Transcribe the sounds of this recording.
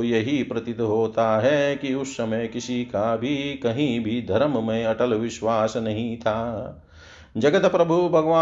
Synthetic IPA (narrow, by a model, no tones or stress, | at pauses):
jɐɦipɾɐt̪it̪ɦoːt̪aɦɛkiʊsːɐmɐjkisikabʱikɐɦĩbʱid̪ʱɐɾɐmmẽɐʈɐlʋɪʃʋaːsnɐɦĩt̪ʰaː | d͡ʒɐɡɐt̪pɾɐbʱubʱɐɡɐʋaː